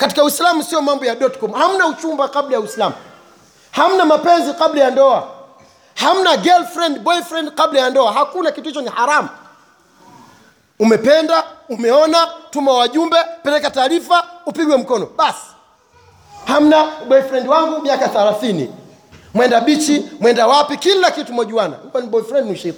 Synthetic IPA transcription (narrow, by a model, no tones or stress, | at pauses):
kati̥kauislamusijɔmambɔjaɗɔtkɔmham̩naut͡ʃumbakablajauislamu | ham̩namapɛnzikablajandɔa | ham̩naɡɛlfɾɛndɓɔifɾɛndkaɓlajandɔaɦakunakituhit͡ʃɔnihaɾamu | umɛpɛndaumɛɔnatumawaʄumbɛpɛlɛkataːɾifaupiɡwɛm̩kɔnɔɓasi̥ | ham̩naɓɔifɾɛndiwaŋɡumiakaθalaθinḭ | mwɛndaɓit͡ʃimwɛndawapikilakitumɔʄuwana̰ukwaniɓɔifɾɛndiniuʃaiɾi